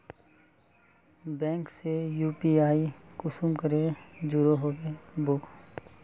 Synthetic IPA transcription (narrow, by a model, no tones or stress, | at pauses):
bɛ̃ːŋksejuːpiaːikʊsumkəɾed͡ʒʊɾoɦoːɡebʊk